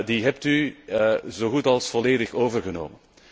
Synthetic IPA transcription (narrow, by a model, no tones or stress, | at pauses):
diɦɛp̚ty | zoːɣutɑlˠsfɔleːdəxoːvərɣəno̰ːmən